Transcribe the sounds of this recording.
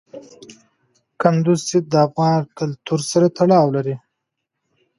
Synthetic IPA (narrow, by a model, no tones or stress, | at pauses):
kand̪uzsɪd̪̚d̪əafɣɑnkalt̪uɾsaɾat̪ʰaɽɑwlaɾi